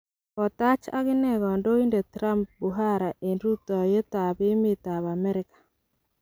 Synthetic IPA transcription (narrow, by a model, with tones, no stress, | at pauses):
ɔ˨t̪a˦t͡ʃa̰˦ɣɪ˦nɛ˦ɡɔ˨ndo˦i˦nde˨t̪ɾa˦mp̚bu˨ɦa˦ɾa˨ʔe˨ndu˦t̪ɔ˨je˦t̪a˨bɪ˦mɪ˦ta˨βa˨mɛ˦ɾɪ˦kḁ˨